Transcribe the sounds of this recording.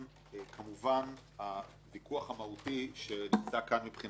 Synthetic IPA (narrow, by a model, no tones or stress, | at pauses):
kʰamuvan | a | vikuaχamahutiʃe̞nimt͡sakanmipχin